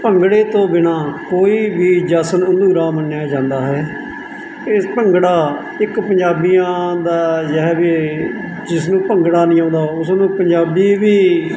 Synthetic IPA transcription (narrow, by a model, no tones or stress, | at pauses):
pəŋɡɽeːt̪õːbɪnaːkoːiːbiːd͡ʒaːsənənd̪uːɾaːmənːjaːd͡ʒãːnd̪aːɦɛː | epəŋɡɽaː | ɪkpəɲd͡ʒaːbijãːd̪aːd͡ʒəɦɛːbi | d͡ʒɪsnũːpəŋɡɽaːnĩːãːnd̪aːʊsnũːpəɲd͡ʒaːbiːʋiː